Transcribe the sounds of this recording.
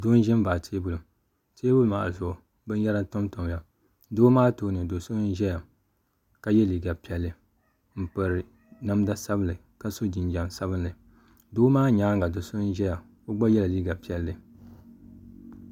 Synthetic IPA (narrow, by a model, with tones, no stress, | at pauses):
doː˦n˦ʒɛ˦m˦baː˨tʰeː˦bʊ˦lʊ˨m | teː˦bʊ˦lma˨a̰˨zʊ˨ʔʊ˨ | bɨ˦n˦ja˦ɾa˦n˦to˦mto˨m˨la˨ | doː˦maː˦toː˦nɨ˨do˨so˦n˦ʒɛ˦ja˨ | ka˦jɛ˦liː˨ɡa˨pi˨ɛ˨lːɨ˨ | m̩˨pɨ˨ɾɨ˨ | na˦m˦da˦sa˦bɨ˦lɨ˨ | ka˦so˦d͡ʒi˨n˨d͡ʒa˨msa˦bɨ˦nlɨ˨ | doː˦maː˦ɲaː˦ŋɡa˨do˨so˦n˦ʒɛ˦ja˨ | o˦ɡ͡ba˦jɛ˦la˨liː˦ɡa˨pi˦ɛ˨lːɨ˨